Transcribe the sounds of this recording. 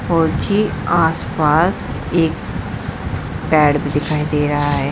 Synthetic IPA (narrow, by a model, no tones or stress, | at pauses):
ɔːɾd͡ʒiːaːspaːs | eːk | pɛːɽbid̪ɪkʰaːid̪eːɾɐɦaɦɛː